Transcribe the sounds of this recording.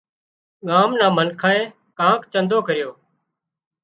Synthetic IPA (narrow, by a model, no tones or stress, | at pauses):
ɠaːmnãːmənkʰaːẽː | kãːkt͡ʃənd̪oːkəɾɪjoː